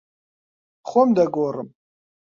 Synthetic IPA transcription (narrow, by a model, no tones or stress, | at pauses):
χʷɔmd̪aɡʷorɨm